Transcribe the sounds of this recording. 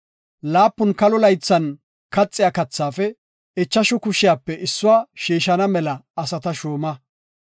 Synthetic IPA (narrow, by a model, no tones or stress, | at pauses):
laːpːʊnkɐlɔlɐjt͡sːɐn | kɐt͡sʼːɪjaːkɐt͡sːaːfɛ | ɛt͡ʃːɐʃʊkʊʃɪjaːpːɛʔɪsːʊwaːʃiːʃɐnɐmɛlɐːsɐt̪ɐʃoːmɐ